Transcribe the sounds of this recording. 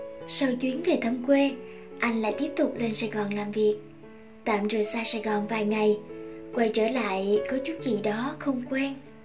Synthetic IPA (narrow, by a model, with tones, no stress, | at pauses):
sa˧wt͡ɕwi˨˦ənve˨˩t̪ʰə˧ŋ͡mkwe˧ | ʔa˧jŋ̟la̰ː˧˨jt̪i˦˥əp̚t̪ʊ˨˩k͡p̚le˧nsaː˨˩jɣɔ˨˩nlaː˨˩mvi˨˩ək̚ | t̪a̰ː˧˨mzəː˨˩jsaː˧saː˧˨˩jɣɔ˨˩nvaː˨˩jŋa˨˩jkwa˧˩jt͡ɕəː˧˩la̰ː˧˨jkɔ˨˦t͡ɕu˨˦kḭ˧˨ɗɔ˨˦xə˧wŋ͡mkwɛ˧n